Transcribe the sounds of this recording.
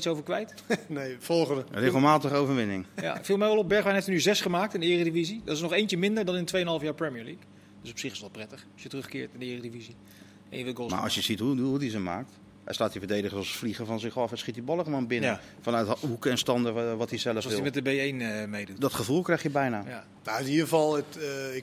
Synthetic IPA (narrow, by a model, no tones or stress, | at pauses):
itsowvəɹkʋɛjtnejfɔlˠχəndərɪxəlˠmaːtəχəowvəɹʋɪnɪŋja̰filˠmɛjʋɛlˠɔb̚bɛɹχbɛjnɦeftynyzɛsχəmaːk̚tɪndəɪːrədivizidɔtɪsnɔχejntəmɪndəɹdɔnɪntʋejənɦɑlˠəfjaːɹprɛmiəɹlik | d̥øsɔ̥psɪχɪ̥sʋɛlˠprɛtəχɑsjətərɵχkɪːɹtɪndəɪːrədivizi | ʔɛ̰njəʋɪlˠɡoma̰ɔ̰sjəzitɦuədudizəma̰ːk̚t | ɛ̰stlaːtivəɹdejdəχəɔsətfliχəvɑnzɪχɑfɛsχit̚dibɑlˠəχəlʋoːnbɪnə | fɑnœtukɛnstɑndəʋɑtizɛləfsɔsɪimɛtdəbejejnəmejdutdɔtχəvulˠkrɛjχjəbɛjnaːja | naiəvɑlˠət